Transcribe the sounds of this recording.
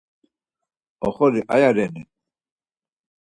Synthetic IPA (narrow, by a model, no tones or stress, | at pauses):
ɔχɔɾiʔajaɾɛni